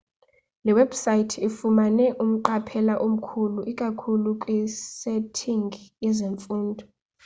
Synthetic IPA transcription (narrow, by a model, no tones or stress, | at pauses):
lɛwɛb̥sajtʰifumanɛʔum̩ǃapʰɛlaʔom̩kʰuluʔikʼakʰulukʼwisɛtʰiŋɡjɛzeɱfuːndʱɔ